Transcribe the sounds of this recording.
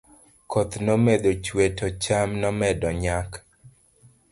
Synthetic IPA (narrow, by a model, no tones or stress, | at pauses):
kɔt̪nomed̪ot͡ʃwetʰot͡ʃamnɔmɛdɔɲak